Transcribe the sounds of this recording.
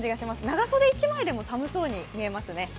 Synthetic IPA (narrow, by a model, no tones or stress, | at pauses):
d͡ʑiɡaɕimasɨnaɡaso̞d̪e̞it͡ɕimaid̪e̞mo̞samɯ̟so̞ːɲ̟imʲie̞masɨne̞